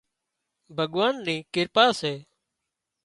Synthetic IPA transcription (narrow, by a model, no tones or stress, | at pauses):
bʱəɠʋaːnnĩːkɪɾpaːseː